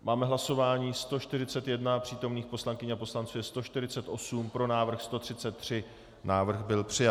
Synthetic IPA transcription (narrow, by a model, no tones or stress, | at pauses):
maːmɛɦlaso̞vaːɲiːst̪o̞ʃt̪ɪɾɪt͡sɛt̪jɛdnapr̝̥iːt̪o̞mniːxpo̞slaŋkɪɲapo̞slant͡suːjɛst̪o̞ʃt̪ɪɾɪt͡sɛt̪ʔo̞sumpɾo̞naːvr̩xst̪o̞t̪r̝̥ɪtt͡sɛt̪ːr̝̥ɪ | naːvr̩ɣbɪlpr̥ɪjat